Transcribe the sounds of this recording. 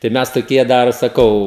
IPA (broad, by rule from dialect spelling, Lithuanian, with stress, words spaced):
tɐɪ ˈmʲɛs toːˈkʲiɛ ˈdɐr sɐˈkɐʊ